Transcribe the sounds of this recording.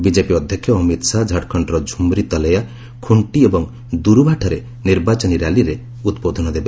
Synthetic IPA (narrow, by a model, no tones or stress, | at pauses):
bid͡ʒepiɔd̪ʱjɔkʰːjɔːmit̪sad͡ʒʱaʈkʰɔɳʈɾɔd͡ʒʱumɾit̪ɔleja | kʰuɳʈiebɔŋ | d̪uɾubʱaʈʰɔɾe | niɾbat͡ʃɔniɾaliɾe | ut̪pod̪ʱɔnɔd̪ebe